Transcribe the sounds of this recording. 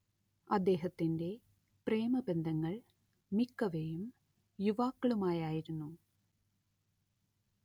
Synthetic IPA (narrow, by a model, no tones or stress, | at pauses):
ɐd̪ːe̞ːɦɐt̪ːinde̞ | pre̞ːmɐbe̞nd̪ʱɐŋːɐɭ | mikːɐʋejum | juʋaːkːɐɭumaːjaːjiɾunːu